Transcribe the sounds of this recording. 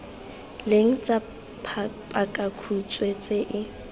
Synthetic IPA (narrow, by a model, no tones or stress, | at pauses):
leŋ̩t͡sʼa | pʰa | pʼakʼakʰut͡sʼwet͡sʼeʔɪ